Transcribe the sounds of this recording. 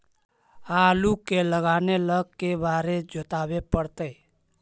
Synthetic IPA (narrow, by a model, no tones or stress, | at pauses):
alukeləɡaːneləɡkːebaːɾed͡ʒot̪abepəɽt̪əj